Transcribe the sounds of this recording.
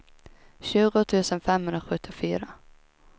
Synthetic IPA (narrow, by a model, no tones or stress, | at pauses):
ɕʉ̟ːɡʊt̪ʰʉ̟ːsənfɛmɦɵnd̪ɾaɧɵt̪ʰːɪfyːɾa